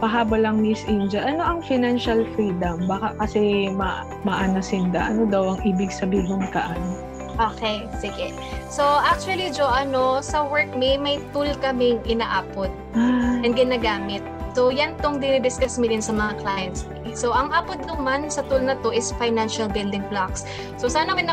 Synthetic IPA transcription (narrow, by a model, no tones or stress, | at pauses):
pɐɦaːbɐlɐŋmisʔɪnd͡ʒɐʔɐno̞ʔɐŋfɪnanʃɐlfɾiːd̪ɐmbaːkɐkɐsɛmɐʔ | mɐʔanɐsɪnd̪ɐʔɐnod̪ɐwɐŋʔiːbɪɡsɐbiːdʊŋkɐʔan | ʔoːkejsɪɡɛ | so̞ʔak̚t͡ʃʊɐlid͡ʒoʔɐnosɐwɛɹk̚mɪmɐjt̪ulkɐmɪŋʔɪnaʔaːpot̪̚ɛnd̪ɡɪnaːɡaːmɪt̪̚sowjɐnt̪oŋd̪ɪnɪd̪ɪskasmɪd̪ɪnsɐmɐŋaklajɛnt̪sɪsoʔɐŋʔaːpot̪̚nʊmansɐt̪ulnɐt̪o̞ʔɪsfajnanʃɐlbɪld̪ɪŋblaksː | osaːnɐmɐnɐ